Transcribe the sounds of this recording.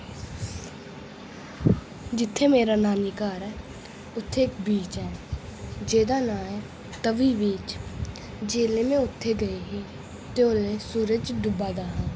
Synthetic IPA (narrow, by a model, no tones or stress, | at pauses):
d͡ʒɪt̪ʰːeːmeːɾaːnaːniːkaːɾɛː | ʊt̪ʰːeːkbiːt͡ʃɛː | d͡ʒeːd̪aːnãːɛː | t̪əʋiːʋiːt͡ʃ | d͡ʒeːleːmẽːʊt̪ʰːeːɡəeːɦeː | t̪eːoleːsuːɾəd͡ʒd̪ʊbaːd̪aːɦə̃n